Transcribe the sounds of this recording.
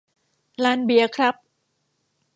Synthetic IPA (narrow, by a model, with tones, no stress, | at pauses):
laː˧˥nbi˧˩ɐkʰɾa˦˥p̚